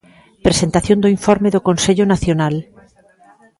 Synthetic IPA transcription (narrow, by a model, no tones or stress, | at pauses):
pɾesent̪aθjõnd̪oiɱfoɾmeðokõnseʎonaθjonal